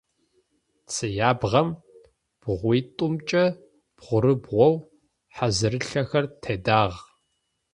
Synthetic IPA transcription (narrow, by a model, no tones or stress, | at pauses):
t͡sʰɨjaːbʁɐm | b̥ʁʷiːtʼʊmt͡ʃʼɐ | b̥ʁʷʊɾɨbʁʷɔw | ħazɨɾɨɬɐxɐrtʰeːdaːʁ